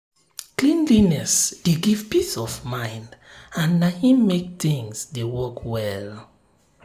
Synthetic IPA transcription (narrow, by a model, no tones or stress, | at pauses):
klĩnlinɛsd̥eɡivpisɔvmãɪ̃ndãnːahĩmːek̚tĩŋsdewɔkʰwɛl